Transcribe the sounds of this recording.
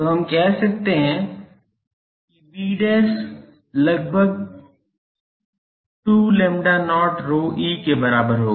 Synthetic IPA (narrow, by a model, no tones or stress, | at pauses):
t̪oɦɐmkɛɦsɐk̚t̪eɦɛ̃ | kibiːɖɛːs | lɐɡ̚bʱəɡ̚ | ʈuːlẽːmɖanɔːʈɾoːʔiːkebɐɾaːbəɾɦoː